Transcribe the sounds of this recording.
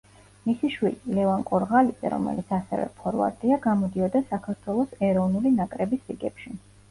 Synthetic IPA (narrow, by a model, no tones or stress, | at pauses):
misiʃwililɛvaŋkʼɔɾʁalid̪z̥ʼɛ̰ɾɔ̰mɛ̰lit̪sʰasɛ̰vɛ̰pʰɔɾva̰ɾt̪ʼiaɡamɔd̪iɔd̪asakʰaɾt̪ʰwɛlˠɔsɛɾɔvnulinakʼɾɛbisɾiɡɛpʃi